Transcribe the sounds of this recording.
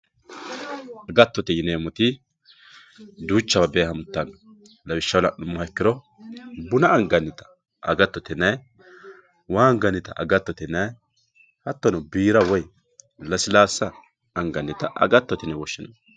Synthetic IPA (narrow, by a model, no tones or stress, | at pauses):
ɐɡɐt̪ːɔt̪ɛjɪneːmɔt̪ɪ | d̪uːt͡ʃːɐwɐbejhɐmʊt̪ːɐn | lɐwɪʃːɐwlɐɗʊmːɔhɐɪkːɪɾɔ | bʊnɐɐŋɡɐnːɪt̪ɐ̥ː | ɡɐt̪ːɔt̪ɛnːɐj | waːŋɡɐnːɪt̪ɐʔɐ̰ɡɐt̪ːɔt̪ɛnɐj | hɐt̪ːɔnɔbiːɾɐwɔj | lɐsɪlaːsːɐː | ŋɡɐnːɪt̪ɐʔɐ̰ɡɐt̪ːɔt̪ɛnɛwɔʃːɪnɐ